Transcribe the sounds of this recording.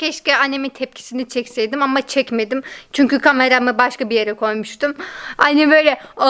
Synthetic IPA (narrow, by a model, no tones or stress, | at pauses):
cʲʰɛʃcʲɛane̞mint̪ʰɛp̚cʰi̥sinit͡ʃʰɛcsejd̪imamat͡ʃʰɛcme̞d̪imt͡ʃʰyɲcykʰame̞ɾamibaʃkabije̞ɾɛkʰo̞jmuʃt̪umhanibø̞jlʲɛ